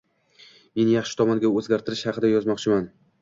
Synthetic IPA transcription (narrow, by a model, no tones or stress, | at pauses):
me̞njɑχʃɪt̪ʰɒmɒnɡʲaɵzɡʲaɾt̪ʰɪɾɪʃhɑqʰɨd̪ajɒzmɒqt͡ʃʰɪman